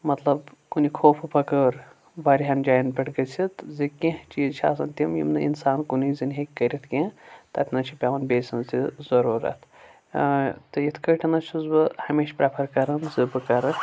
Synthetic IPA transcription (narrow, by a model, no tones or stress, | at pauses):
mɐt̪lɐbkunikʰoːpʰɨpɐkəːɾ | baːɾiɦɐnd͡ʒaːjnbʲɐʈʰɡɐt͡sʲʰit̪zɨkẽht͡ʃizt͡ʃʰa̰ːsɐnt̪ʲimjḭmnɨḭnsaːnkunizinʲɦekʲːɐɾit̪ʰkẽt̪ɐt̪ʲʰnɐt͡ʃʰipʲaʋɐnbʲeːsʲɐnzizɐɾuːɾɐ̰t̪ʰ | t̪ɨjit̪ʰkəʈʰɐnɐt͡ʃʰizbɨhɐmeːʃpɾɐpʰɐɾkɐɾɐnzɨbɨkɐɾɨ